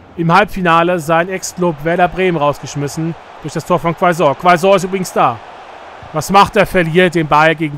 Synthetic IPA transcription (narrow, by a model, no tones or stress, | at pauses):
ʔɪmhalpfinaːləzaɪnɛksklʊpvɛɐɾɐbʁeːmənʁaʊsɡ̥əʃmɪsn̩ | d̥ʊɐçd̥astʰoːɐfɔnkv̥aɪzɔɐkv̥aɪzɔːɐɪstyːbʁɪɡŋ̩std̥aː | vasmaχt̚d̥eːɐfɛɐliːɐd̥eːmbaɪɡeːɡŋ̩